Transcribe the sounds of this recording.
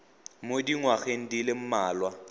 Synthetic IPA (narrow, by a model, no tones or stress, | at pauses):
modiŋwaɣeŋ̩dilem̩maːlwa